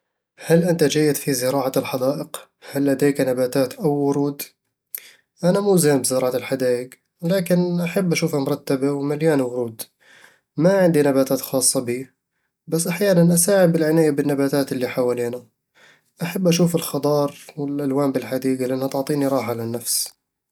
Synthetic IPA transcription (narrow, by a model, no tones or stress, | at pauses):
halʔɪnt̪ad͡ʒajːɪd̪fizɪɾɑːʕaɪlħad̪aːʔɪq | halːad̪eːknabaːt̪aːt̪ʔawːʊɾuːd̪ | ʔanamuːzaːnbɪzɪɾˤɑːʕalħad̪aːjɪɡ | laːkɪnʔaħabːʔaʃuːfamʊɾˤɑt̪ːabawmaljaːnwʊɾuːd̪ | maʕɪnd̪inabaːt̪aːt̪xɑːsˤːɑbiː | basːʔaħjaːnanʔasaːʕɪd̚ɪlʕɪnaːjabɪnːabaːt̪aːt̪ɪlːiħawaliːna | ʔaħabːʔaʃuːfɪlxɑd̪ˤɑːɾˤwɪlʔalwaːmbɪlħad̪iːɡalɪʔanːhat̪ʊʕt̪ˤiːniɾˤɑːħaʕalanːafs